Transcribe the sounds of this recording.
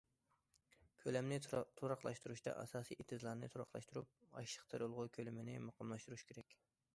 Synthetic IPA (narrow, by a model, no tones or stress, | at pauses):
kʲʰølɛmnɪt̪ʰoɾɑχlˠɑ̰ʃt̪uɾuʃt̪ɑ̰ʔɑ̰sɑːsiʔet̪ʰɪzlˠɑɾnɨ̰t̪ʰuɾɑχlˠɑ̰ʃt̪uɾup̚ɑ̰ʃʃə̥qt̪ʰɨɾolˠʁʊkʲʰølɪmɪnɪmɑqʰɑmlˠɑʃt̪uɾuʃkʲʰeɾɛkʲ